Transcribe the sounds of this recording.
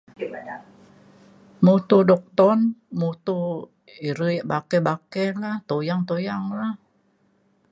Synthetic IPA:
mut̪udɔk̚t̪ɔnmut̪u | iɾəjʔbakɛbakɛlaht̪ojaŋt̪ojaŋlah

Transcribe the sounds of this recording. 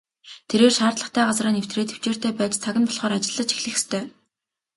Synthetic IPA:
t̪ʰeɾeːrʃaːrt̪ɮə̆χt̪ʰæːɢat͡sraːnew̥t̪reːt̪ʰu̥t͡ɕeːr̥t̪æːpæːt͡ɕt͡sʰaɣʲɪ̆npɔɮχɔːɾat͡ɕɪ̆ɮːə̆t͡ɕi̥xɮɘ̆xe̥st̪ʰœː

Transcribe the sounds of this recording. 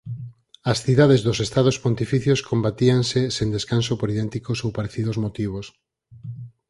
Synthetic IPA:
ɐsθiðaðezðosest̪aðospont̪ifiθjoskombat̪iaŋsesend̪eskansopoɾiðɛnt̪ikosowpaɾeθið̞ozmot̪iβ̞os

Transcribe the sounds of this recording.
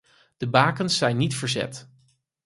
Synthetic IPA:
d̥əbaːkənsːɛjnːitfəɹzɛ̰t

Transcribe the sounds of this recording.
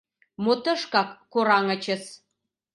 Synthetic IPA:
mot̪ə̆ʃkɑkːoɾɑŋə̆t͡ɕə̆s

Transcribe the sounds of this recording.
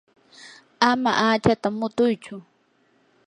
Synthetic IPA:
ama̰ʔaːt͡ʃat̪amʊt̪ʊjt͡ʃʊ

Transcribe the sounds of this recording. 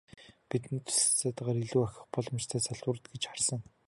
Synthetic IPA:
pit̪nt̪ʰʊ̥st͡saːt̪ăʁaːɾiɮuːaxʲɪ̥̆χpɔɮɞ̆mt͡ɕt̪ʰæːt͡sʰœɮʊːr̆t̪ɡet͡ɕχarsə̆ŋ

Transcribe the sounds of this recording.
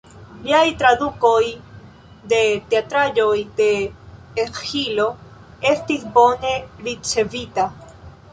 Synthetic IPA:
bjajt̪ɾaðukoj | d̪et̪eat̪ɾaʝojd̪eː | xilo | est̪iθboneɾit͡ʃeβit̪a

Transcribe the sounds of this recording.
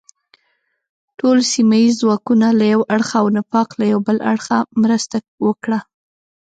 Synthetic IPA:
ʈolsimajizːwɑkunalajawʔaɽxaːwnapɑqlajawbəla̰ɽxamɾəst̪a | wəkɽa

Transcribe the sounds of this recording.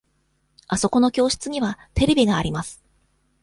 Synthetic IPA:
aso̞ko̞no̞kʲo̞ːɕi̥t͡sɨɲ̟iβat̪e̞ɾe̞bʲiɡaːɾʲimasɨ̥

